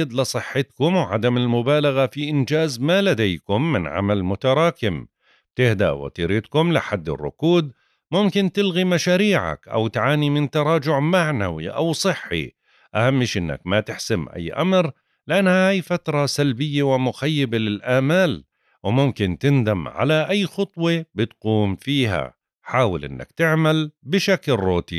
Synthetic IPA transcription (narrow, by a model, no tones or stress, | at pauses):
d̪lɪsˤɨħːɪt̪kʊmwʕa̰d̪amɪlmʊbaːlaɣafiʔɪnd͡ʒaːzmalad̪ajkʊmːɪnʕa̰malmʊt̪ɑɾˤɑːkɪm | t̪ɪhd̪a̰ʔwɑ̰t̪ḭːɾɪt̪kʊmlɪħad̪ːɪ̰rˤːʊ̰kuːd̪̚ | mʊmkɪnt̪ɪlɣimaʃaːɾiːʕa̰kʔa̰wt̪ʕaːnimɪnt̪ɑɾˤɑːd͡ʒʊʕmaʕna̰wḭʔa̰wsˤɨħːḭ | ʔahamːɪʃʔɪnːa̰kmat̪ɪħsɪmʔa̰jːʔa̰mɾ | lɪʔanːhahajfat̪ɾˤɑsalbɪjːewɪmʊxajːɪbelɪlʔaːmaːl | wɪmʊmkɪnt̪ɪnd̪amʕa̰laʔajːxɑt̪ˤwebɪt̪quːmfiːɦa̰ | ħaːwɪlʔɪ̰nːa̰kt̪ɪʕmalbɪʃaklrˤoːt̪ḭ